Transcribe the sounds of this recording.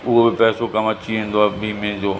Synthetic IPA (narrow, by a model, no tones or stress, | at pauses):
ʊɦobɪpɛːsokɐmɐt͡ɕiẽːn̆d̪oaːbʱiːmẽd͡ʑoː